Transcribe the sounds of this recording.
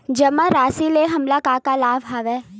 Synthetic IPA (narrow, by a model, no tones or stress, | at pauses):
d͡ʒɐmaɾaːsileɦɐmlakaːkalaːʋɦaːʋeː